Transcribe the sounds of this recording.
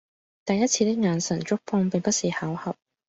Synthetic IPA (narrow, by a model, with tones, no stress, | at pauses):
t̪ɐ˨jɐ˥t̚t͡sʰiː˧t̪ɪ˥k̚ŋaː˨˧nsɐ˨˩ŋt͡ʃʊ˥k̚pʰɔː˧ŋpɪ˨ŋpɐ˥t̚siː˨haː˨˥whɐ˨p̚